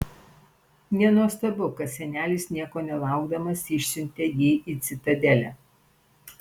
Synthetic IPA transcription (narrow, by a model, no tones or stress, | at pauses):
nʲɛnuɔst̪ɐbʊkɐt̪sʲɛnʲæːlʲiːˑsnʲiɛkoːnʲɛlˠɑˑʊɡd̪ɐmɐsɪʃʲsʲɪnʲt̪ʲɛjiːʔit̪sʲɪt̪ɐd̪ʲɛlʲæ